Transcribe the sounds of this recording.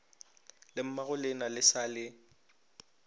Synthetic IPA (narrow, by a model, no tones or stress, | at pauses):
lɪm̩maɣʊlɪnalɪsalɪ